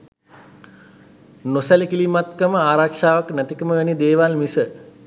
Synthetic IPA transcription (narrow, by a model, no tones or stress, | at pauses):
nosælikilimat̪kəməaːɾakʂaːʋaknæt̪ikəməʋænid̪eːʋalmisə